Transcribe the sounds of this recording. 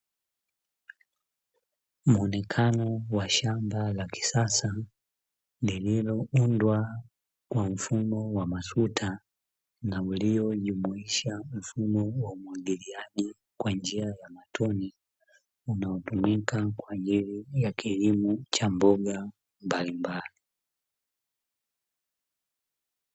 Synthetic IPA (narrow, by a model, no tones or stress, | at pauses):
muɔnɛkʰanɔwaʃambalaki̥sasa | lililɔundwa | kwam̩fumɔwamasutʰa | nauliɔʄumuiʃam̩fumɔwaumwaɡiliaʄi | kwand͡ʒiajamatʰɔni | unaɔtumikakwaʄilijakʰilimut͡ʃambɔɡa | mbalimbali